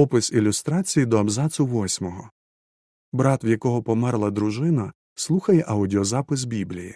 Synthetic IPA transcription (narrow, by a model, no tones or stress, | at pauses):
ɔpɪsilʲʊst̪ɾɑt͡sʲijid̪ɔɐbzɑsʊʋɔsʲmɔɦɔ | bɾɑt̪wjɐkɔɦɔpɔmɛrlˠɐd̪ɾʊʒɪnɐ | slˠuxɐjɛʔɐʊdʲiɔzɑpɪs̬bʲiblʲijḭ